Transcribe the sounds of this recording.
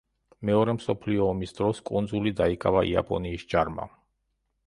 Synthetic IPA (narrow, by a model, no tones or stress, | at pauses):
mɛɔɾɛmsɔpʰliɔːmisd̪ɾɔskʼund̪zulid̪aikʼavaʔḭa̰pʼɔ̰niːsd͡ʒaɾma̰